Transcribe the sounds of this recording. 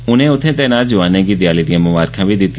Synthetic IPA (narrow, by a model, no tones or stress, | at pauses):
ʊnẽːʊt̪ʰːẽːt̪eːnaːld͡ʒʊʋaːnẽːɡiːd̪ɪjaːliːd̪ijãːmʊʋaːɾkʰãːʋiːd̪ɪt̪ː